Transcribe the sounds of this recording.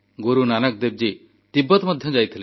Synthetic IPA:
ɡoɾunanək̚d̪eb̚d͡ʒi | t̪ibːɔt̪mɔd̪ʱjɔd͡ʒajt̪ʰile

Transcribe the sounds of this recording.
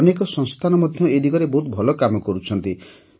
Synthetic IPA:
nekɔsɔ̃ŋst̪ʰanɔmɔd̪ʱjɔed̪ikɔɾebɔɦut̪̚bʱɔlɔkamɔkɔɾut͡ʃʰɔnt̪i

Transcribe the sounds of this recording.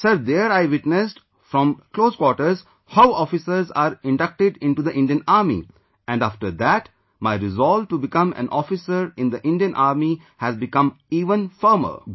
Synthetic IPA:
səɾd̪eəɾaɪʋɪʈnesʈ | fɾɔ̃mkloːzkwɔːʈəɾz | haʊɔːfɪsəɾzaːɾɪ̃ɳɖʌk̚ʈɪɖɪ̃ɳʈud̪əʔɪ̃ɳɖiə̃naːɾmḭ | ɛ̃ɳɖafʈəɾd̪æʈ | maɪɾɪzɔlʋʈubɪkʌ̃mæ̰̃nʔɔfɪsəɾɪ̃nd̪əʔɪ̃nɖijə̃nʔaːɾmi | hæzbɪkʌ̃miːʋə̃nfəɾmə̰ɾ

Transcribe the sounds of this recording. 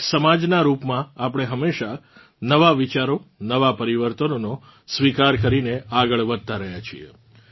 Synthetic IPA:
səmad͡ʒnaɾupmãapəɽ̃eɦəmeʃa | nəʋaʋit͡ʃaɾonəʋapəɾiʋəɾt̪ənono | sʋikaɾkəɾineaɡəɭʋəd̪̚t̪aɾəɦjat͡ʃʰḭḛ

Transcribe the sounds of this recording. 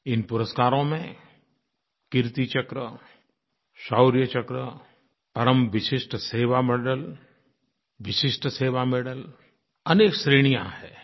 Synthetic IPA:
ɪnpʊɾəskaːɾõmẽ | kɪɾt̪it͡ʃɐkɾə | ʃaːʊɾijət͡ʃɐkɾə | pɐɾəmʋɪʃɪʃʈʰseːʋamɛːɖəl | ʋɪʃɪʃʈseːʋameːɽəl | ɐneːksɾeːɽ̃ijã̰hɛː

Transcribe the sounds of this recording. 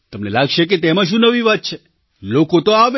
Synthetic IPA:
t̪əmnelaɡʃek̬et̪emãʃ̬ũnəʋiʋat̪̚t͡ʃʰe | lokot̪oaʋe

